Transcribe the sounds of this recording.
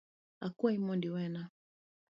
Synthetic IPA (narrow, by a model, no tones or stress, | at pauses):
a̰kuaimɔndiwɛna